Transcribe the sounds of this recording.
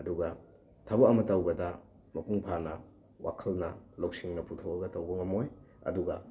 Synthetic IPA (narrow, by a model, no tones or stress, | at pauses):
ɐduɡɐ | tʰɐbɐɐmɐtɐwɡɐdɐ | mɐpuŋpʰanɐ | wʔa̰kʰɐlnɐlowk̚siŋnɐputʰowɐɡɐtɐwbɐŋɐmoj | ɐ̰duɡɐ